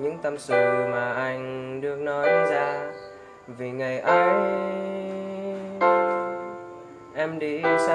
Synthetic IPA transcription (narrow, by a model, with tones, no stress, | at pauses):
ɲɨ̰˧˥ŋt̪ə˧msɨ̰˧˨maː˨˩ʔa˧jŋ̟ɗɨ˧˩ək̚nɔ˨˦jzaː˧ | vi˨˩ŋa˨˩jʔaː˧w | ʔɛ˧mɗi˧sa˧